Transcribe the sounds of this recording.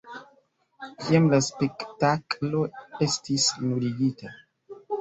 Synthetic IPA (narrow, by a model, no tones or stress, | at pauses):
kiamlaspe̞ktaklo̞e̞stisnuɾiɡita